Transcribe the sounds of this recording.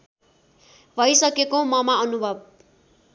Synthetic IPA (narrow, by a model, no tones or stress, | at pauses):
bʱʌjsʌkekomʌmaʌnubʱʌb̚